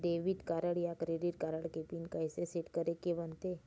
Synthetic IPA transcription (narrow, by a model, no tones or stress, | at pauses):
ɖeʋiʈkaɾəɽjakɾeɖiʈkaɾəɽkepinkajseseʈkəɾekeʋənt̪e